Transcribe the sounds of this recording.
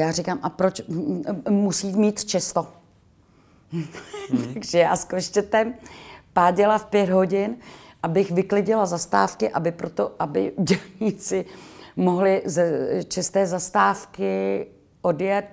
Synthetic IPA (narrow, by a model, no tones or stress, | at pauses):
jaːrɪkaːmʔapɾot͡ʃ | musiːmiːt̪t͡ʃɛst̪o | t̪aaɡʒɛja̰ːskoʃt͡ʃɛt̪ɛmpaːɟɛlafpjɛd̪ɦo̞ɟɪnʔabɪxvɪklɪɟɪlazast̪a̰ːfkɪʔabɪpɾot̪oʔabɪ̰ɟɛlɲit͡sɪmo̞ɦlɪzt͡ʃɛst̪ɛːzast̪aːfkɪ | ʔo̞djɛt̪̚